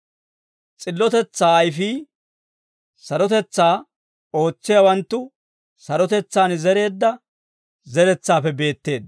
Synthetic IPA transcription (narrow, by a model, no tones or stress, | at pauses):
t͡sʼɪlːɔt̪ɛt͡sːaːɐjfiː | sɐɾɔt̪ɛt͡sːaː | o̞ːt͡sːɪjɐwɐnt̪ːʊ | sɐɾɔt̪ɛt͡sːaːnzɛɾe̞ːd̪ːɐ | zɛɾɛt͡sːaːfɛbe̞ːt̪ːe̞ːd̪̚